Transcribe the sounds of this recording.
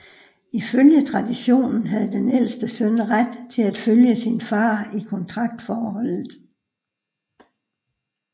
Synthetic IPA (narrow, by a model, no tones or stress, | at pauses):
iføljət͡sʰʁɑ̈d̥iɕo̝̰ːnn̩ɦæð̞̩ˠd̥enel̰sd̥əsœnʁad̥t͡sʰe̝læd̥føljəsinfɑ̈ːikʰɒ̽nt͡sʰʁɑ̈ɡ̥̚d̥fɒːhɒ̽l̰ð̩ˠ